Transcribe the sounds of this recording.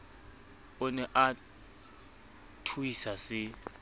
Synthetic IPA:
ɔnɛʔa | tʰujisasɪ

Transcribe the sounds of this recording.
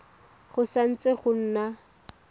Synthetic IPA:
χʊsan̩t͡sʼeχʊn̩ːna

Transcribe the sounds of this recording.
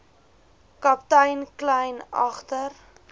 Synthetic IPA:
kɐptəjnklɛjnɐ̰χtər

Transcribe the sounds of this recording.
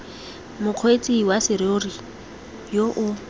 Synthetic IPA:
mʊq͡χʰwet͡sʼiwasɪɾɪʊri | joʔʊ

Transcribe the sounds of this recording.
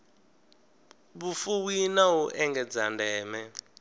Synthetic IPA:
βufuwinawuʔɛŋɡɛd͡zandɛːmɛ

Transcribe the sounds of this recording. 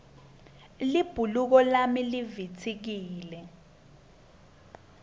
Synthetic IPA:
lib̥ʱuluk̬ɔlamilivit͡sʰik̬iːlɛ

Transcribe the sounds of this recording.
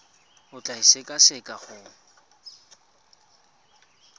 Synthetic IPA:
ʊt͡ɬʼaisekʼasɛkʼaχʊ

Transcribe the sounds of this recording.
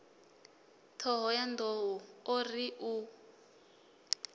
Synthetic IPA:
tʰɔɦɔjandʱoɦuɔriʔu

